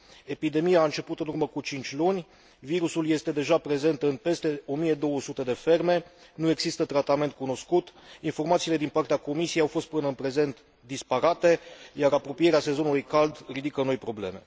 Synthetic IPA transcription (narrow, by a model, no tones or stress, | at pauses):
e̞pid̪e̞mijaːɨnt͡ʃe̞put̪ɨnurməkut͡ʃint͡ʃʲlunʲ | viɾusuljest̪e̞d̪e̞ʒapɾe̞ze̞nt̪ɨnpe̞st̪e̞o̞mije̞d̪o̞wəsut̪e̞d̪e̞fe̞rme̞ | nue̞ɡzist̪ət̪ɾat̪ame̞nt̪̚kuno̞skut̪info̞rmat̪siːle̞d̪inpart̪eako̞misijejawfo̞st̪̚pɨnəɨnpɾe̞ze̞nt̪ | d̪ispaɾat̪e̞jaɾapɾo̞pije̞ɾease̞zo̞nulujkald̪rid̪ikəno̞jpɾo̞ble̞̰me̞̰